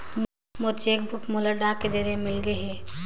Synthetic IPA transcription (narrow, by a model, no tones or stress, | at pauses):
mʊɾt͡ʃeːk̚bʱʊkʰmoləɖaked͡ʒəɾemɪlɡəɦɛ̃ː